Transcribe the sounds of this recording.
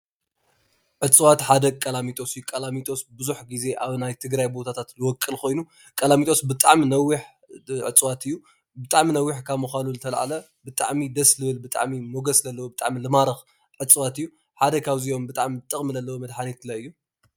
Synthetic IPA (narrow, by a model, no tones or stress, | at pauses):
ʕɨt͡sʼwat̪ħad̪ɐkʼɐlamit̪ʼo̞sɨjukʼɐlamit̪ʼo̞sbɨzuħɡize̞ʔaβnajt̪ʰɨɡɾajbo̞t̪ʰat̪ʰat̪lɨwɔkʼːɨlko̞jnu | kʼɐlamit̪ʼo̞sbɨt̪ʼaʕminɐwːiħ | ʕɨ̰t͡sʼwat̪ɨjːu | bɨt̪ʼaʕminɐwːiħkʰaβmɨxaluzɨt̪ʰɐl̰ʕa̰lɐ | bɨt̪ʼa̰ʕmid̪ɐslɨβɨlbɨt̪ʼa̰ʕmimo̞ɡɐszɐlːɐwobɨt̪ʼa̰ʕmilɨmaɾɐx | ʕɨt͡sʼwat̪ɨjːu | ħad̪ɐkʰaβzio̞mbɨt̪ʼa̰ʕmit̪ʼːɨχʼmizɐlːɐwomɐd̪ħanet̪lɐɨjːu